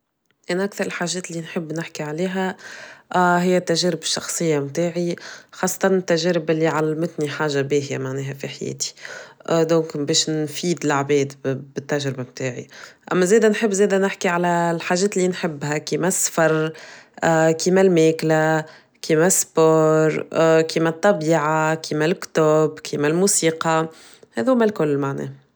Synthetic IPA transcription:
ʔænʔækθɑɾˤɪlħaːʒɛːt̪lːinħɪbːnɪħkiʕaleːɦæʔɦɪjːæt̪ːæʒɛːɾɪbʃːɑxsˤɨjːamt̪aːʕixɑːsˤːɑ̥t̪ˤɑnɪt̪ːæʒɛːɾɪbɪlːiʕalmɪt̪niħaːʒːabeːhjamaʕnɛːɦæfiħajɛ̰ːt̪i̥ʔd̪oːŋkbɛːʃnfiːd̪ɪlaʕbɛːd̪bɪt̪ːæʒɾɪbamt̪aːʕḭʔæ̰mːæzɛːd̪ænħɪbːzɛːd̪ænɪħkiʕalælħaːʒɛːt̪lːinħɪbːhækiːmæsːfɑɾˤ | kiːmælmɛːkla | kiːmæsːpoːɾˤkiːmæt̪ˤːɑbiːʕakʰiːmælkt̪oːbkʰiːmælmuːsiːqɑ | hɛːðuːmælkʊlːmaʕnɛ̰ː

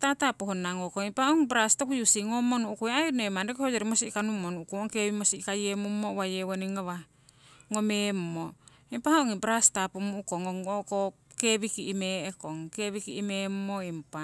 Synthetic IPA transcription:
tatapohonaŋokoŋimpaoŋbɾastokujusiŋomonuʔukueainoemandekohod͡ʒeɾimosikanumonukuoŋkeβimosikajemumːowajewoniŋaβa | ŋomemmo | impahaoŋibɾastapumuʔukoŋoŋokokeβikiimeekoŋkeβikiːmemːoimpa

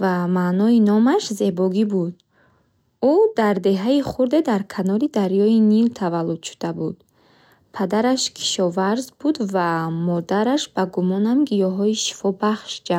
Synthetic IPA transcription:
vamanɔinɔmaʃze̞bɔɡibud̪̚ | ud̪aɾd̪e̞ɦaiχuɾd̪ed̪aɾkʰanɔɾid̪aɾjɔinilt̪ʰavalːud̪̥ʃu̥d̪̥abud̪ | pʰad̪aɾaʃkʰi̥ʃɔvaɾzbud̪vamɔd̪aɾaʃbaɡumɔnamɡijɔɦɔiʃi̥fɔbaχʃd͡ʒa

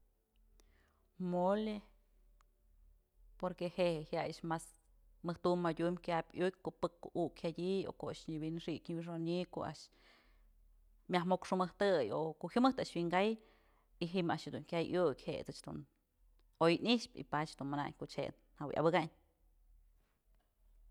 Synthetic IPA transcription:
mole | poɾkehehehjajaʃmas | mɨht̪umːadʲumkʲabʲuk̚ʲkoʔpɨkːoʔukhadʲio̰koʔaʃɲɨbinʂikʲɲibiʂ̬oɲiko̰a̰ʔʃ | mʲahmokʂɨmɨht̪ɨjo̰koʔhʲjɨmɨht̪aʔʃwiŋɡaj | iɦimaʔʃhed̪uŋkʲajʔjukʲhḛt͡sɨt͡ʃd̪ṵn | ojniʃpḭpat͡ʃhd̪unmana̰ɲkoʔt͡ʃhḛn | haw̰ja̰bɨɡaɲ

